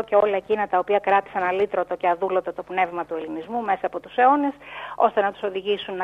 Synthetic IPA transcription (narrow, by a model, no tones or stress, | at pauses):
oce̞o̞lɐcinɐt̪ɐopiɐkɾɐt̪i̥sɐnɐlit̪ɾot̪o̞ceɐðulo̞t̪ot̪o̞pne̞vmɐt̪ue̞linizmume̞sɐːpo̞t̪u̥se̞o̞neso̞st̪e̞nɐt̪u̥so̞ðiʝisunː